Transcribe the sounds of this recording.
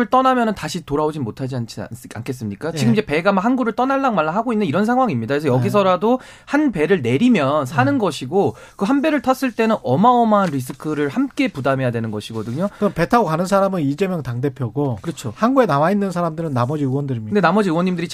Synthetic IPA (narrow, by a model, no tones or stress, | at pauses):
ɯɭt͈ʌnamjʌnɯntaɕʰitoɾaod͡ʑimotʰad͡ʑiant͡ɕʰḭa̰nkʰe̞s͈ɯmɲik͈at͡ɕiɡɯmid͡ʑe̞pe̞ɡamaɦanɡuɾɯɭt͈ʌnaɭːanmaɭːaɦaɡoinːɯniɾʌnsʰaŋɦwaŋimɲidakesʰʌjʌɡis̬ʰʌɾado | hanpe̞ɾɯɭne̞ɾimjʌnsʰanɯnɡʌɕʰiɡo | kɯɦanbe̞ɾɯɭtʰʌs͈ɯɭt͈e̞nɯnʌmaʌmaːnɾis̬ʰɯkʰɯɾɯɭhamk͈e̞pudamɦe̞jadwe̞nɯnɡʌɕʰiɡʌdɯɲoɯɯmpetʰaokanɯnsʰaɾamɯnid͡ʑe̞mjʌŋtaŋde̞pʰjʌɡokɯɾʌt͡ɕʰohanɡue̞nawainːɯns̬ʰaɾamdɯɾɯnːamʌd͡ʑiɯwʌndɯɾimindenamʌd͡ʑiɯwʌɲːimdɯɾi